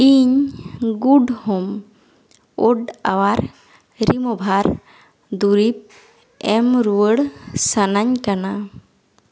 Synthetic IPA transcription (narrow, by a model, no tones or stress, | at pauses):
iɲɡuɖhɔm | ɔɖawaɾ | ɾimɔbʱaɾ | d̪uɾip̚ | ɛmɾuwəɽsanaɲkana